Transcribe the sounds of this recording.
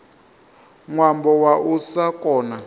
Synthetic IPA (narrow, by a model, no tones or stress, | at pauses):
ŋwambɔwaʔusakʼɔːna